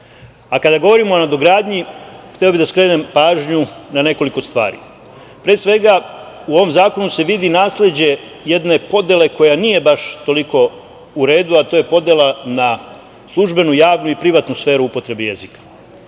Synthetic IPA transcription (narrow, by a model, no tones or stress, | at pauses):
akad̪aɡo̞ʋo̞ɾimo̞onad̪o̞ɡɾaːd̪ɲixt̪eobid̪askɾe̞ːnempaːʒɲunane̞ko̞liko̞st̪ʋa̰ːɾḭ | pɾeːsʋe̞ɡauo̞ʋo̞mzaːko̞nuse̞ʋid̪inaːslʲed͡ʑe̞ | jed̪ne̞po̞d̪ʲje̞le̞ko̞janije̞baʃt̪o̞liko̞ | uɾe̞ːd̪uat̪o̞ːje̞po̞d̪jelˠana | slˠuʒbe̞nujaːʋnuipɾiʋat̪nusfe̞ːɾuupo̞t̪ɾe̞beje̞zikḁ